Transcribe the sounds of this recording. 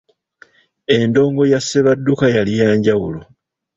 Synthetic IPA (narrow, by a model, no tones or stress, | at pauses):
e̞ndo̞ːŋɡo̞jasːeβadːukajalijaːɲɟawulo